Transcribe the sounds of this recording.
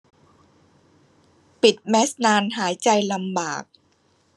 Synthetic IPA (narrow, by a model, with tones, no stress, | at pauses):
pi˨˩t̪̚mɛ˦˥snaː˧nɦaː˩˦jt͡ɕa˧jla˧mbaː˨˩k̚